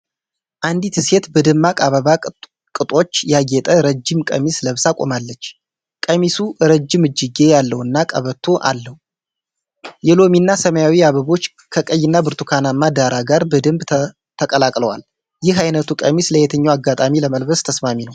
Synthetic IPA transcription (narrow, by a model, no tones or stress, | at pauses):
ʔand̪it̪ʰɨset̪bəd̪ɨmːakʼaβəβa | kʼɨt̪ʼo̞t͡ʃːjaɡɛt̪ʼəɾəd͡ʒːɪmkʼə̰misləβsakʼo̞̰malːət͡ʃː | kʼəmisuɾəd͡ʒːɪmɨd͡ʒːɪɡe̞jalːəwɨnːakʼə̰βət̪ʰːo̞ʔa̰lːəhu | jɛlo̞minːasəməjawiaβəβo̞t͡ʃː | kʰəkʼəjːɪnːabɨɾt̪ʰukʰanamːad̪aɾaɡaɾbəd̪ɨmb | t̪ʰəkʼəlakʼləwa̰l | jɪɦajnət̪ʰukʼə̰misləhet̪ʰəɲːawaɡat̪ʼamiləməlbəst̪ʰəsmaminəw